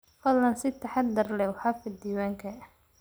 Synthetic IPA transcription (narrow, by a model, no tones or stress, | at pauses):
fɐlːɐnsɪt̪ʰɐħɑd̪ːɐrlɛwħɑfɪd̪iːwaːŋkʰɐ